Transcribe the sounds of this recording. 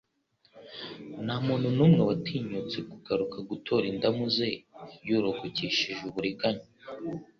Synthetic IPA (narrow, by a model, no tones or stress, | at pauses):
naːmuːnhunuːmŋewatiːɲut͡sekuɡaɾukaɡutʰo̞ɾindamuzejuɾokociʃiʒuβuɾiɡaɲo